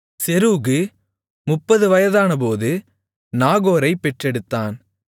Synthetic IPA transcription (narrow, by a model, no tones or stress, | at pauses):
sɛɾuːɣɯ | mʊpːɐðɯʋɐjɐðaːnɐpoːðɯ | naːɣoːɾɐɪpːɛʈrɛɽɯt̪ːaːn